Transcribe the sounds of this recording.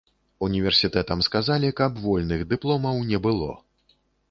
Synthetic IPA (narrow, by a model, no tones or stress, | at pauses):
unʲivʲɛrsʲit̪ɛt̪ɐmskazalʲikɐbvɔlʲnɨɣd̪ɨplˠɔmɐwnʲɛbɨlˠɔ̰